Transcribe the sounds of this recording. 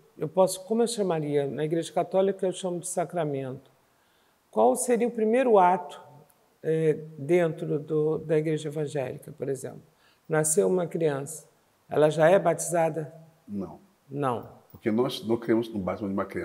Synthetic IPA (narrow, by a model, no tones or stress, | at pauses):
ewpɔsʊ̥kõmʊewʃɐ̃maɾiɐnɐiɡɾeʒɐkat̪ɔlikɐewʃɐ̃mʊd͡ʒɪsakɾamẽnt̪ʊ̥ | kwawseɾiɐʊpɾimejɾʊat̪ʊ̥ | ɛd̪ẽnt̪ɾʊd̪ʊd̪ɐiɡɾeʒɐevɐ̃ʒɛ̰likɐpoɾezḛ̃mplʊ | naseũmɐkɾiɐ̃sɐ̥ | ɛ̰lɐʒaɛbat͡ʃizad̪ɐ | nɐ̃w̃ | nɐ̃w̃pʊɾkenɔsnɐ̃keɾẽmʊznʊbat͡ʃimɐ̃d͡ʒɪũmɐkɾiɐ̃